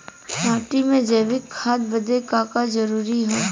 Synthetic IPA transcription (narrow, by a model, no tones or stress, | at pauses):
naːʈimẽd͡ʒəːʋɪkʰːaːd̪̚bɐd̪ekaːkad͡ʒɐɾuːɾiɦoː